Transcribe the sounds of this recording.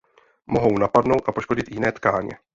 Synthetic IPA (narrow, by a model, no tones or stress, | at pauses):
mo̞ɦo̞wnapadno̞wt̪ʔapo̞ʃko̞ɟɪt̪jɪnɛːt̪kaːɲɛ̰